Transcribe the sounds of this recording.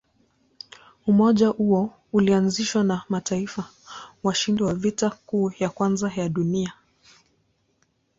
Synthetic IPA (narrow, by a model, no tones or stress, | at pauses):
umɔʄahuɔ | ulianziʃwanamataifa | waʃindiwavitakuːjakwanzajaɗunia